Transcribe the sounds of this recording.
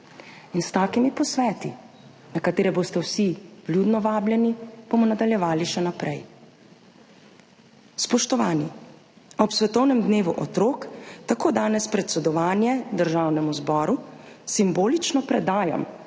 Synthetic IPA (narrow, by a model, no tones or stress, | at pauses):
inst̪aːkimipɔsʋɛːt̪i | nakat̪eːɾɛboːst̪ɛwsib̥luːd̪nɔʋaːbljɛnib̥omɔnad̪aljɛʋaːliʃɛnapɾɛj | spɔʃt̪ɔʋaːni | ɔpsʋɛt̪ɔwnɛmd̪neːʋuʔɔt̪ɾoːkt̪akoːd̪aːnɛspɾɛt̪sɛd̪ɔʋaːnjɛd̪əɾʒaːwnɛmuzbɔːɾusimboːlit͡ʃnɔpɾɛd̪aːjɔ̰m